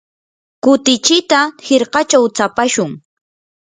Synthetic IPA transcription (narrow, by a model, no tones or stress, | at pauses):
kʊt̪ɪt͡ʃɪt̪aheɾqɑt͡ʃawt͡sapaʃʊŋ